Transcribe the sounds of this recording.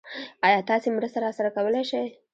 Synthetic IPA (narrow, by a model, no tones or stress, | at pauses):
ɑjɑt̪ɑsemɾəst̪aɾɑsaɾakawəleʃaj